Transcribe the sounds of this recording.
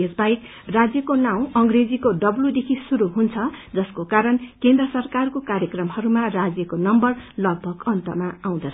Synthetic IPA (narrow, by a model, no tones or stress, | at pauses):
esbaik | rad͡zjʌkonaw̃ʌŋɡred͡zikoɖʌblud̪ekʰisuɾuɦunt͡sʰʌd͡zʌskokaɾʌnkend̪rʌsʌrkarkokaɾjʌkrʌmhʌɾumarad͡zjʌkonʌmbʌrlʌɡ̚bʱʌɡʌnt̪ʌ̰maaw̃d̪ʌt͡sʰʌ